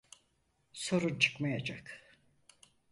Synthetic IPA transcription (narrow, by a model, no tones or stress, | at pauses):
so̞ɾunt͡ʃʰɯ̥kmajad͡ʒak